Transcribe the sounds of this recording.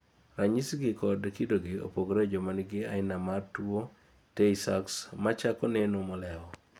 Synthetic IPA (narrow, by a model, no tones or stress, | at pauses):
raɲisɡɪkɔdkidoɡɪo̰poɡɾed͡ʒomanɡɪaɪnamartwo | tesaksmat͡ʃakɔnenomɔlɛɔ